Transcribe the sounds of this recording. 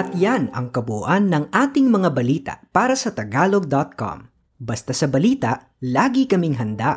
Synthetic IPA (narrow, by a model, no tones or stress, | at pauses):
ʔɐt̪janɐ̰ŋkɐbʊʔanːɐŋʔaːt̪ɪŋmɐŋabɐliːt̪ɐ̰ʔpaːɾɐsɐt̪ɐɡaːloɡ̚d̪ɐt̪̚ko̰m | bɐst̪asɐbɐliːt̪ɐʔ | laːɡɪkɐmɪŋɦɐnd̪a